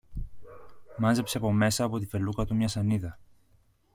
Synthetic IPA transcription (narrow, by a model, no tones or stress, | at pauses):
mɐnze̞psepo̞me̞sɐːpo̞t̪ife̞lukɐt̪umɲɐsɐniðɐ